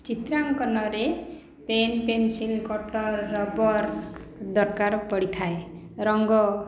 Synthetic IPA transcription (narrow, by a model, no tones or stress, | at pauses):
t͡ʃit̪ɾaŋkɔnɔɾe | penpensilkɔʈɔɾːɔbɔɾd̪ɔɾkaɾɔpɔɽit̪ʰae | ɾɔŋɡɔ